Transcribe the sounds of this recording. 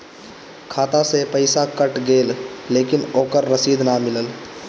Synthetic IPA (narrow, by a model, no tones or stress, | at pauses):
kʰaːt̪asepəɪsakəʈɡeːlːeːkɪnoːkəɾːəsiːd̪namɪləl